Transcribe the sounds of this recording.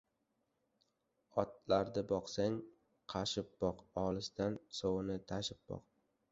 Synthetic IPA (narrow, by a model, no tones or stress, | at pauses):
ɒt̪̚laɾd̪ɪbɒqsaŋ | qʰɑʃɪp̚b̥ɒqɒlˠɪsd̪ansowɨnɪt̪ʰaʃɪp̚bɒ̰q